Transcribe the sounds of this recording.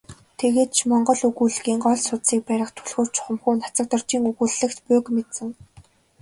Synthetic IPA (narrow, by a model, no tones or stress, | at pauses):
t̪ʰeɣeːt̪̚t͡ɕʰmɔɴɢɞ̆ɮɵɣuːɮɣiːŋɢɔɮsʊt̪siːk̚pæɾʲɪ̆χt̪ʰɵ̥ɮxoːrt͡ɕʰʊχə̆mxuːnat͡sə̆k̚t̪ə̆r̥t͡ɕiːŋuɣuːɮːɘ̆kt̪pʊːkmet̪sɘ̆ŋ